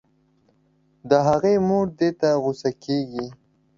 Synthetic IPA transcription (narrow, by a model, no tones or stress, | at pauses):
d̪əɦaɣemoɽd̪et̪aɣʊsakeɡi